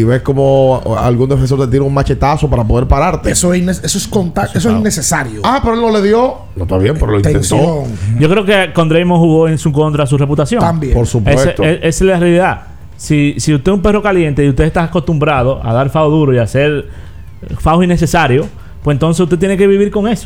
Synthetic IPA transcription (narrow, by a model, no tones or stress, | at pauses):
iβesko̞moa̰lɣund̪efens̬oɾt̪et̪ieɾeuŋmat͡ʃe̞t̪aso̞paɾap̬o̞ðe̞ɾpaɾaɾt̪eesoenesesoeskont̪aes̬oesnnːesesaɾjoapeɾoelnoleðjo̞ | lot̪βaβjempeɾolineenst̪ooŋɟ͡ʝo̞kɾeokekond̪ɾejmoŋhuɣo̞ensuko̞nt̪ɾas̬urep̬ut̪asjoambjepoɾsupeeseoeʔeselarjaliða | sisiust̪esumpe̞ro̞kalje̞nt̪eiust̪e̞est̪asako̞st̪umbɾaðoʔa̰ðaɾfaoðuɾoiase̞ɾ | faosinːes̬e̞saɾjo | pwsent̪o̞ns̬esu̥st̪e̞t̪jene̞ke̞βiβiɾko̞ŋe̞so